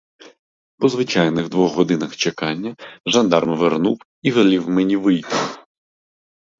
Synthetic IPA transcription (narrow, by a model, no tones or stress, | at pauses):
pɔzʋɪt͡ʃɑjnɪɣd̪ʋɔɣːɔd̪ɪnɐxt͡ʃekɑnʲːɐʒɐnd̪ɑrmʋernuw | iʋelʲiwmenʲiʋɪjt̪ɪ